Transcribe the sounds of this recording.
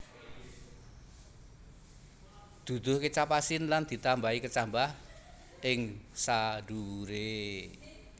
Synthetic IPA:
d̪̥ṳd̪̥ʊ̤hkət͡ʃapasɪnland̪̥i̤t̪ambaikət͡ʃambah | ʔɪŋsaɖ̥uwuɾe

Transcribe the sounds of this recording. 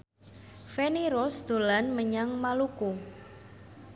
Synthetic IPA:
feniɾɔsd̪̥o̤lanməɲaŋmaluku

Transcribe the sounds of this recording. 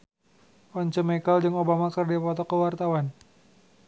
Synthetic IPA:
ʔɔɲt͡ʃəmekaldəŋobamakərdiapɔt̪ɔkəwart̪awan

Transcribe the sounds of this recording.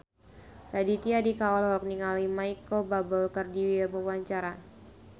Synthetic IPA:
radit̪iadikawalɔɾɔk̚niŋalimajkəlbabəlkərdiwɛlməwaɲt͡ʃaɾa

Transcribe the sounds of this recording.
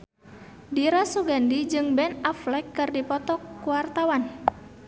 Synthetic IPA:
diɾasuɡandid͡ʒɨŋbɛnaflɛkːɨrdipɔt̪ɔkːuwart̪awan

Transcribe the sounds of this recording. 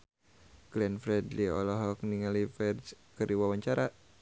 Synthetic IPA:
ɡlɛnfɾɛdliɔ̰lɔɦɔk̚niŋalifɛdd͡ʒkəɾiwawaɲt͡ʃaɾa

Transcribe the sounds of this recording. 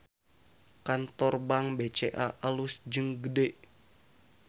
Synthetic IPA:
kant̪ɔrbaŋbet͡ʃeʔaʔalusd͡ʒɨŋɡədeʔ

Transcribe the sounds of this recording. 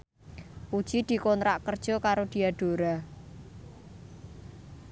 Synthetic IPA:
pud̥ʒ̥id̪̥i̤kɔnt̪ɾaʔkərd̥ʒ̥ɔ̤kaɾod̪̥i̤aɖ̪̥o̤ɾa

